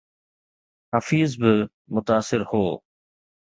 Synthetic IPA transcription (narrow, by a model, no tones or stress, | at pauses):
hafiːzbɪ | mʊt̪aːsɪɾhoː